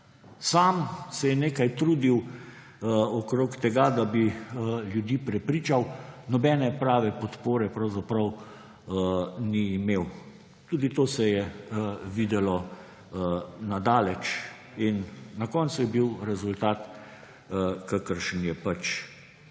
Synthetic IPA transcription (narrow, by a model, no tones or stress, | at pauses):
saːmsɛjɛneːkajt̪ɾuːd̪iw | ɔkɾoːkt̪ɛɡad̪abiljud̪iːpɾɛpɾiːt͡ʃawnɔbɛːnɛpɾaːʋɛpɔt̪poːɾɛpɾɐwzapɾɐw | niːmeːw | t̪uːd̪it̪oːsɛjɛ | ʋiːd̪ɛlɔ | nad̪aːlɛt͡ʃ | inːakɔnt̪sujɛbiwɾɛzult̪aːt̪ | kakəɾʃənjɛpat͡ʃ